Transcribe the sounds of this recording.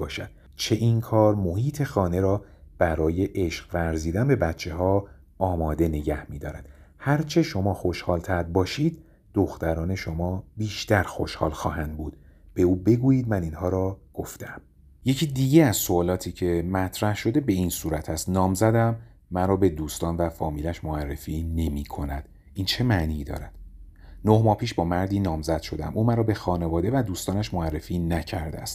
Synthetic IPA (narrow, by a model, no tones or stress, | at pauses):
bɒːʃæd̪̥ | t͡ʃʰe̞ʔinkʰɒːɾmo̞hiːt̪ʰe̞xɒːne̞ɾɒːb̥æɾɒːje̞ʔeʃqvæɾziːd̪ænbe̞bæt̪t͡ʃʰːe̞ɦɒː | ɒːmɒːd̪e̞ne̞ɟæhmiːd̪ɒːɾæ̰nd̪̥hæɾt͡ʃʰe̞ʃo̞mɒːxo̞ʃhɒːlt̪ʰæɾd̪̚bɒːʃiːd̪̚ | d̪̥oxt̪æɾɒːne̞ʃomɒːbiːʃt̪æɾxoʃhɒ̰ːlxɒ̰ːɦænd̪̚buːd̪̥b̥euːbe̞ɡuːjiːd̪̚mæniːnhɒːɾɒːɡ̥oft̪æm | je̞cʰiːd̪iːɟeæz̥soɒːlɒːt̪ʰiːcʰe̞mæt̪ʰɾæhʃo̞d̪e̞be̞insuːɾæt̪ʰæst̪nɒːmzæd̪æmː | æɾɒːbe̞d̪uːst̪ɒːnvæfɒːmiːlæʃmoærːefiːne̞miːkʰo̞næd̪̥ | ʔiːnt͡ʃʰe̞mæʔniːd̪ɒ̰ːɾæd̪̥ | nohmɒːhpʰiːʃbɒːmæɾd̪iːnɒːmzæd̪̥ʃo̞d̪æ̰mʔuːmæɾɒːbe̞xɒːne̞vɒːd̪e̞væd̪uːst̪ɒːnæʃmoærːe̞fiːnæcʰæɾd̪eæ̰st̪